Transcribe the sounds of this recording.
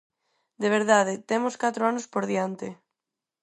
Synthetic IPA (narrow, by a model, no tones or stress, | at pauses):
d̪eβ̞eɾðaðet̪emoskat̪ɾoanospoɾðiant̪ɪ